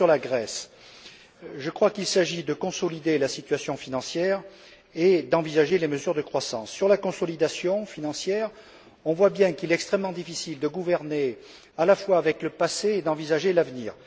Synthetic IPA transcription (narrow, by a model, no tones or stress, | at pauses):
syʁlaɡʁɛs | ʒəkχwakilsaʒid̪əkɔ̃sɔlid̪elasit̪ɥasjɔ̃finɑ̃sjɛʁ | ed̪ɑ̃vizaʒeleməzyʁd̪əkχwasɑ̃sːyʁlakɔ̃sɔlid̪asjɔ̃finɑ̃sjɛʁ | ɔ̃vwabjɛ̃kilɛt̪ɛkst̪χɛməmːɑ̃d̪ifisild̪əɡuvɛʁne | alafwaːvɛkləpaseːd̪ɑ̃vizaʒelavnḭːʁ